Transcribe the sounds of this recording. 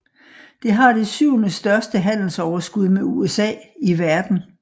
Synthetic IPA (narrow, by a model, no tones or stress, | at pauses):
d̥e̝ɦɑ̈d̥e̝syʊ̰nəsd̥ɶɐsd̥əɦæn̰l̩sɒʊɐsɡ̥uð̞ˠmeuesɛ̰ːiʋæɐd̥n̩